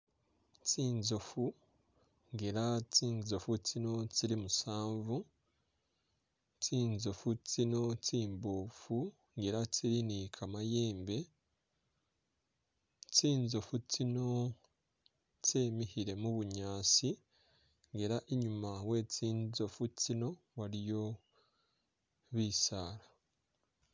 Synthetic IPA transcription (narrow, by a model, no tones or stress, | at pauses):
tiːnzo̞fu | ŋɡeɾatiːnzo̞futino̞tiɾimusaːɱvu | tiːnzo̞futino̞tiːmboːfu | ŋɡeɾatiɾinikʰamaje̞ːmbe̞ | t͡siːnzo̞fut͡sino̞ | ceːmihiɾe̞muβuɲaːsi | ŋɡe̞ɾaʔiɲumawe̞ːt͡siːnzo̞fut͡sino̞ | waɾijo̞ | βiːsaːɾa